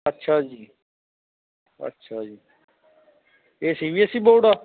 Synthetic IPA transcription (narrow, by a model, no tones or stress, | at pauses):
ətːʃʰaːd͡ʒiː | ə̰tːʃʰaːd͡ʒiː | eːsiːʋiesiːɓoːɖaː